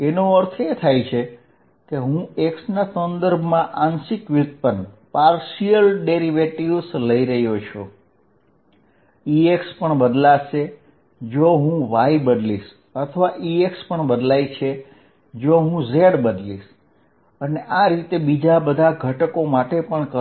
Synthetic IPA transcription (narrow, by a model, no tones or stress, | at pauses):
enoəɾt̪ʰet̪ʰajt͡ʃʰe | keɦũeksnasənd̪əɾbʱmãʔansikʋit̪̚pənpaɾʃiəlɖeɾiʋeʈiʋsləiɾəɦjot͡ʃʰo | iekspəɳbəd̪laʃe | d͡ʒoɦũʋaibəd̪liʃ | ət̪ʰəʋaʔiekspəɳbəd̪lajt͡ʃʰe | d͡ʒoɦũzeɽbəd̪liʃ | əneʔaɾit̪ebid͡ʒabəd̪ʱaɡʱəʈəkomaʈepəɳkə